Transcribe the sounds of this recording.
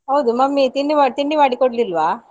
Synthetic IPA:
ɦɐwd̪umɐmːit̪iɳɖiʋaːt̪iɳɖiʋaːɽikɔɖlilʋaː

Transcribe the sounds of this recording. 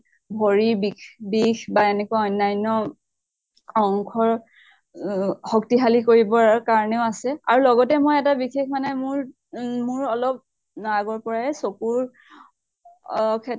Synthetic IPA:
bʱoɹibikbixbaenɛkuaɔjnːajnɔ | ɔŋkʰɔɹ | hɔktiɦalikoɹibɔkaɹɔneʊasɛaɹulɔɡɔtɛmojɛtabixekʰmanɛmʊɹ | mʊɹɔlɔp̚ | naaɡɔɹpɔɹaɛsokuɹ | kʰɛ

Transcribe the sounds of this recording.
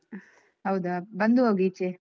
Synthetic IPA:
ɦɐwd̪abɐnd̪uɦoːɡit͡ʃe

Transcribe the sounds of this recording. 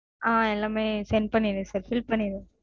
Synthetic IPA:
aːɛlːaːmeːsɛn̚pɐɳːɪjðɯsaːɾfɪlpːɐɳːɪðɯ

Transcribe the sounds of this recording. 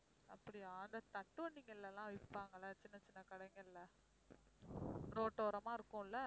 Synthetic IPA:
ɐpːɐɽiaːnd̪ɐt̪ɐʈːɯʋɐɳɖɪŋɡɐlːɛlãːʋɪpːaːŋɡɐlɐt͡ʃɪnːɐt͡ʃɪnːɐkɐɽɐŋɡɐlːɐ | ɾoːʈːoːɾɐmaːɪɾɯkːʊ̃ːɪlːɐ

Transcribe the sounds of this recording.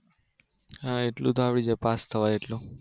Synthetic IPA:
ãeʈlũt̪oapɽid͡ʒepast̪ʰəʋaeʈlũ

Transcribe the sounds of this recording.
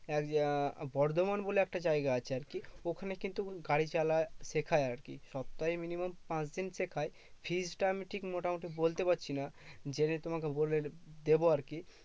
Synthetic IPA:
ɛkbɔɾd̪omanboleɛk̚ʈad͡ʑajɡaat͡ɕʰeaɾkiokʰanekint̪uɡaɽit͡ɕalaʃekʰaeaɾkḭʃɔp̚t̪ːajminimompãt͡ɕd̪inʃekʰae | fʰid͡ʑʈameʈʰikmoʈamoʈibolt̪epatːɕʰinad͡ʑenet̪omakeboled̪eboaɾki

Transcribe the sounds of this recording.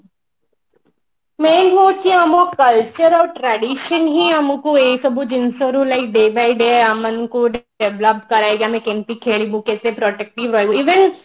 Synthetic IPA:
mẽnɦoːt͡ʃiamokəlt͡ʃəɾɔːʈɾɛɖiːʃənɦiɐmũkueːsɐbud͡ʒɪnsoɾulaɪk̚ɖeːbaiɖeːamənkuɖ | ɛʋləp̚kɐɾaːeɡamɛ̃kɛ̃np̪ikʰeːɭibukɛːsepɾɔːʈɛk̚ʈiʋɾoeuiːʋen

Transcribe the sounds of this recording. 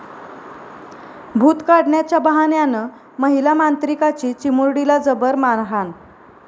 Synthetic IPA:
bʱuːt̪kaɽɳjat͡ɕjabəɦanjanə | məɦilamant̪ɾikat͡ɕiːt͡ɕimuɾɽilad͡zəbəɾmanɦan

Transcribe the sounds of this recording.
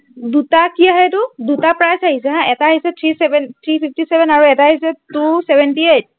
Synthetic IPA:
dutakiaɦɛtʊdutapɹajsaɦisɛɦãɛtaɦisɛtʰɹisɛbɛntʰɹipʰiftisɛbɛnaɹuɛtaɦisɛtusɛbʱɛntiet̚

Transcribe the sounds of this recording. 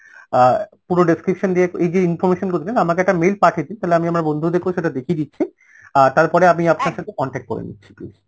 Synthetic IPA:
puɾoɖeskɾipʃond̪ieejd͡ʑeinfoɾmeʃonkot̪ʰinenamakeɛk̚ʈamejlpaʈʰed̪int̪aɦeleamiamaɾbond̪ʱud̪ekboʃeʈad̪ekʰid̪itːɕʰi | at̪aɾpɔɾeamiapnaɾʃat̪ʰekɔɳʈek̚ʈko̰ɾḛnḭtːɕʰi̥plḭʃ

